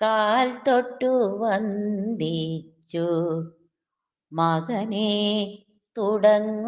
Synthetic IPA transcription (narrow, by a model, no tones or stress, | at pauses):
kaːlt̪oʈːuʋɐnd̪it͡ʃːu | mɐɣɐne | t̪uɽɐŋ